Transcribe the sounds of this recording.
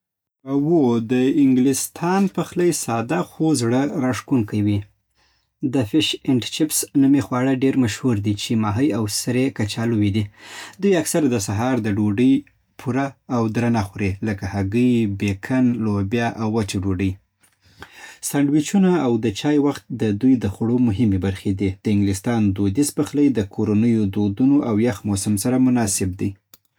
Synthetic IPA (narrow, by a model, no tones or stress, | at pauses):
awod̪əɪŋɡlɪst̪ʰɑnpəxləjsɑd̪axozɽəɾaʂkuŋkawi | d̪əfɪʃɪɳʈt͡ʃɪpsnumexwɑɽəɖeɾmaʃhuɾd̪it͡ʃemɑɦəjawsɾekat͡ʃɑluwid̪id̪ujaksaɾad̪əs̬aɦɑɾd̪əɖoɖəj | pʰuɾaːwd̪ɾanaxuɾeləkahaɡəjbekʰanlobjɑʔawːat͡ʃaɖoɖəj | saɳɖwɪt͡ʃunaːwd̪ət͡ʃɑjwaxt̪̚d̪əd̪ujd̪əxʊɽomʊɦɪmebaɾxed̪id̪̥əɪŋɡlɪst̪ɑnd̪od̪ispəxləjd̪əkʰoɾanəjod̪od̪unoʔawjaxmosamsaɾamʊnɑsɪb̚d̪i